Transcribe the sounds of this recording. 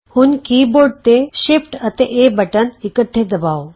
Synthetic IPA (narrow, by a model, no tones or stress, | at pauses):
hunkiːboːɖ̚t̪eʃepʈət̪eʔebəʈənikəʈʰːed̪ɐbaːʋo